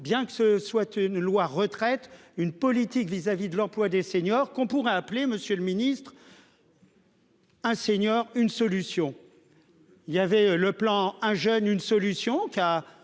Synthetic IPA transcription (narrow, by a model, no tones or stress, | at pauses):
bjɛ̃kə̥səswat̪ynlwaʁət̪χɛt̪ynpɔlit̪ikvizavid̪əlɑ̃plwad̪eseɲɔʁkɔ̃puʁɛapleməsjøləminist̪χ | ɛ̃seɲjɔʁynsɔlysjɔ̃ | iljavɛləplɑ̃ɛ̃ʒœnynsɔlysjɔ̃kʲa